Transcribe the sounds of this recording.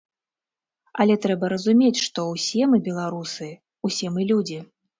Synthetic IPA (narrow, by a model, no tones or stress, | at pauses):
ɐlʲɛt̪ɾɛbɐɾɐzumʲet͡sʲʂt̪ɔwsʲɛmɨbʲɛlˠaɾusɨ | usʲɛmɨlʲud͡zʲi